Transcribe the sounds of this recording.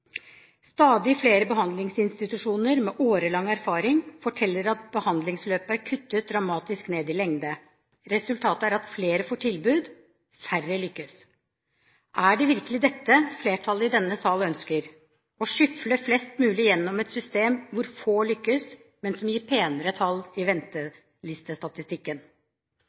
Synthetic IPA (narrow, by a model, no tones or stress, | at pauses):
st̪ɑːd̪ɪfleːɾəbəɦɑnd̪lɪŋsɪnst̪ɪt̪ʉʂuːnəɾmɛʔoːɾəlɑŋːæɾfɑːɾɪŋfɔʈʰɛlːəɾɑt̪̚bəhɑnd̪lɪŋsløːpəæɾkʰʉt̪ːət̪̚d̪ɾɑmɑːt̪ɪskneːd̪ɪlɛŋd̪ə | ɾɛsʉlt̪ʰɑːt̪əæɾɑt̪fleːɾəfoːʈʰɪlbʉːd̪ | færəlʏkːəs | ʔæɖɛʋɪɾkəlɪd̪ɛt̪ːəfleːʈʰɑlːəɪd̪ɛnːəsɑːlœnskəɾ | ɔʂʏfləflɛst̪mʉːlɪjɛnːɔmɛt̪sʏst̪eːmʋʊɾfoːɭʏkːəs | mɛnsɔmjiːɾpʰeːnəɾət̪ʰɑlɪʋɛnt̪ə | lɪst̪əst̪ɑt̪ɪst̪ɪkːən